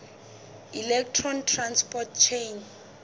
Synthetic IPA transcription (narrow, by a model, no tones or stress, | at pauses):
ilɛk̚tʰrɔntʰranspɔt̚t͡ʃʰejn